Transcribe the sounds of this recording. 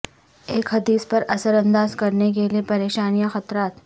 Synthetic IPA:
eːkɦɐd̪iːspɐɾɐsəɾɐ̃nd̪aːzkɐɾnek̬eliepɐɾeːʃaːnijaxɐt̪ɾaːt̪

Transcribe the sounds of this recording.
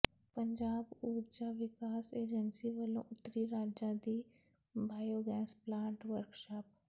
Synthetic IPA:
pəɲd͡ʒaːbuːɾd͡ʒaːʋɪkaːseːd͡ʒənsiʋəlõ̰ːʔʊt̪ːəɾiɾaːd͡ʒãd̪iː | bʱaːjoːɡɛ̃ːsplãːɳʈʋəɾkʃaːp

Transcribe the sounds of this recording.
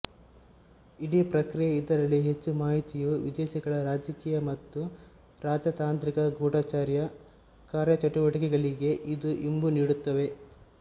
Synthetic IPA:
iɽiːpɾɐkɾijɐid̪ːɐɾɐlːiɦet͡ʃːumaːɦit̪ijuʋid̪ɛːʃiɡɐɭɐɾaːd͡ʒɐkiːjɐmɐt̪ːu | ɾaːd͡ʒɐt̪aːnt̪ɾikɐɡoːɽaːt͡ʃaːɾjɐ | kaːɾjɐt͡ʃɐʈuʋɐʈikɛɡɐɭiɡe̞ʔid̪uʔimbuniːɽut̪ːɐʋe̞

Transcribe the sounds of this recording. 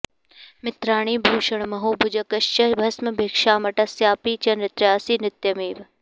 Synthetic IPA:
mɪt̪ɾaːɳ̃iːbʱuːʃɐɳ̃mɐɦoːbʱud͡ʒɐkɐʃt͡ʃɐbʱɐsmɐbʱeːkʂaːmɐʈasjaːpiːt͡ʃɐnɾɪt̪ɾjaːsiːnɪt̪jɐmiːʋ

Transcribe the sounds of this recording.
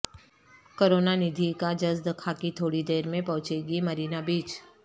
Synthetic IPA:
koːɾoːnanɪd̪ʱikad͡ʒɐzd̪ɐkʰakit̪ʰoːɽid̪eːɾmẽpɐ̃ɦʊ̃t͡ʃeːɡimɐɾiːnabiːt͡ʃ

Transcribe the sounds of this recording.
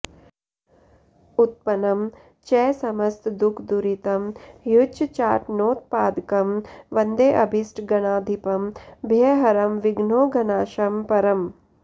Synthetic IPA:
ut̪̚pɐnɐm | t͡ʃɛːsɐmɐst̪d̪ukʰd̪uɾit̪ɐmjut͡ʃt͡ʃaːʈnoːt̪̚paːd̪kɐmʋɐnd̪eːʔɐbʱisʈɡɐnaːd̪ʱipɐmbʱjeɦɐɾɐmʋiɡnoːɡɐnaːʃɐmpɐɾɐm

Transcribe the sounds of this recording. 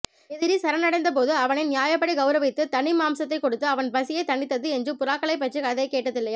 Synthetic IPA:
ɛðɪɾisɐɾɐnɐɽɐɪnd̪ɐp̬oːðɯɐʋɐnɪnnɪjaːjɐpːɐɽiɡɐʊɾɐʋɪt̪ːɯt̪ɐɳɪmaːmsɐt̪ːɐɪkːɔɽɯt̪ːɯɐʋɐnbɐsɪjɐɪt̪ɐɳːɪt̪ːɐðɯɛnd͡ʒrɯpʊɾaːkːɐɭɐɪp̬ːɐʈrɯkɐðɐɪkːeːʈːɐðɪlːɐja

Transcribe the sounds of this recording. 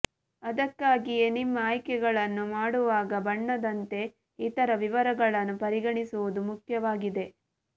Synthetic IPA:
ɐd̪ɐkːaːɡijenimːɐaːjkɛɡɐɭɐnːumaːɽuʋaːɡɐbɐɳːɐd̪ɐnt̪e̞ | it̪ɐɾɐʋiʋɐɾɐɡɐɭɐnːupɐɾiɡɐɳisuʋud̪umukʰjɐʋaːɡid̪e̞

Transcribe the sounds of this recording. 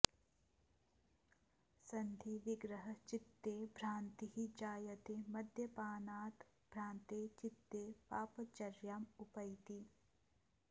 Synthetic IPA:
sɐnd̪ʱiʋɪɡɾəɦɐt͡ʃɪt̪ːeːbʱɾãːnt̪ihid͡ʒaːjɐt̪eːmɐd̪ʱjɐpaːnaːt̪b̥ʱɾaːnt̪eːt͡ʃɪt̪ːeːpaːpɐt͡ʃɐɾjaːmupɐjt̪i

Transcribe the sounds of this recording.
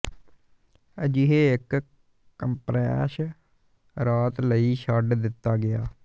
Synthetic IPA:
d͡ʒɪɦeːɪk | kəmpɾɛːʃ | ɾaːt̪ləiːʃaɖd̪ɪt̪ːaːɡɪjaː

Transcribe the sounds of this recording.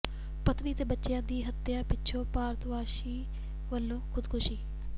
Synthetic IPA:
pət̪niːt̪eːbətːʃjãːd̪iːɦət̪ːjãːpɪtːʃʰõːpaːɾt̪ʋaːʃiː | ʋəlːõːkʰʊd̪kʰʊʃiː

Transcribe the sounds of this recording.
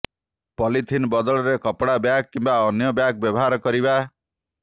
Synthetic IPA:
pɔlit̪ʰinbɔd̪ɔɭɔɾekɔpɽabjak̚kːimbaɔnjɔbjak̚bjɔbɔɦaɾɔkɔɾiba

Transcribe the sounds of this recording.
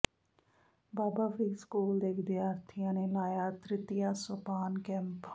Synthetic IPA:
baːbaːʋiskuːld̪ekɪd̪jaːɾt̪ʰijãnelaːjat̪ɾɪt̪ijasopaːnkɛ̃mp

